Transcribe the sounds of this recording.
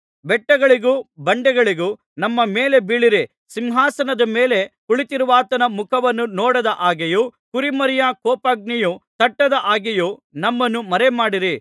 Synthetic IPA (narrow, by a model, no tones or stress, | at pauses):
bɛʈːɐɡɐɭiɡuːbɐɳɖɛɡɐɭiɡu | nɐmːɐmeːle̞biːɭiɾi | simɦaːsɐnɐd̪ɐme̞ːle̞kuɭit̪iɾuʋaːt̪ɐnɐmukʰɐʋɐnːunɔːɽɐd̪ɐʔaːɡejukuɾimɐɾijɐkɔːpaːɡ̚nijut̪ɐʈːɐd̪ɐʔaːɡejunɐmːɐnːumɐɾemaːɽiɾi